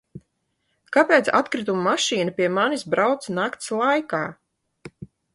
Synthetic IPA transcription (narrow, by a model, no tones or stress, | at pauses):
kapʲeːt̪sa̰t̪kɾit̪ummaʃiːnapʲiɛmanisbɾawt̪snakt̪slˠajkaː